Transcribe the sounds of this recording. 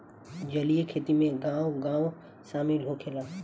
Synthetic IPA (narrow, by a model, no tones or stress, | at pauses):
d͡ʒɐliekʰeːt̪imẽɡãːõɡãːõ | saːmɪlɦokʰeːlaː